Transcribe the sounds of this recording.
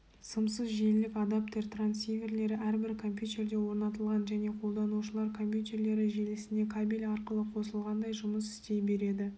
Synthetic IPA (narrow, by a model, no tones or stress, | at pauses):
səmsəzʒe̞llɪkad̪apt̪e̞ɾt̪ʰransijvʲe̞rle̞ɾɪʔæɾbɪɾkʰo̞mpjut̪ʲe̞ɾd̪e̞wo̞ɾnɑt̪əlˠʁɑnʒæne̞qʰo̞lˠd̪ɑnuʃəlˠɑɾkʰo̞mpjut̪e̞rɾle̞ɾɪʒe̞lɪsɪne̞kʰabilʲɑɾqəlˠəqʰo̞səlˠʁɑnd̪ɑjʒʊməsɪ̥st̪e̞jbe̞ɾe̞d̪ɪ